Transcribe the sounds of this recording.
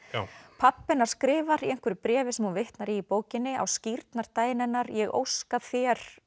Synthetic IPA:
pʰapːɪnaɾ̥skɾɪːvaɾiɛjŋ̥kvʏɾɪpɾɛːvɪsɛmavɪht̪naɾiːpoːwcɪnːɪa̰wsciɾt̪naɾ̥t̪aːjnɪnːaɾjɛɣʔo̰wskaðθjɛɾ̥

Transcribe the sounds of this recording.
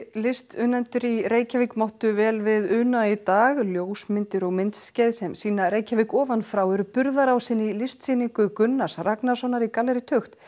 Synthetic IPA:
lɪst̪ʏnɛnt̪ʏɾireːjcavɪkmawht̪ʏvɛːlvɪðʏnait̪aːɣljoːwsmɪnt̪ɪɾɔɣmɪnt̪sːcajðsɛmsiːnaɾeːjcavɪkɔːvanfɾawɛɾʏpʏɾðaɾawsɪnːɪlɪst̪sɪːniŋkʏkʏnːasraknasɔnaɾikalɛɾɪt̪ʰʏxt̪

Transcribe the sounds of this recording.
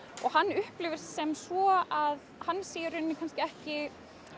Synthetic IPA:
ɔɣhanːʏhplɪːvɪɾ̥sɛmsvɔaðhanːsiːjɪɾʏnːɪkʰanscɪɛhcɪ

